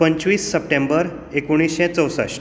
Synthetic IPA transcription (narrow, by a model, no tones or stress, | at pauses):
pəɲt͡ɕʋiːsːəp̚ʈẽmbəɾ | ekuɽ̃isɕɛ̃t͡səwsə̰ɕ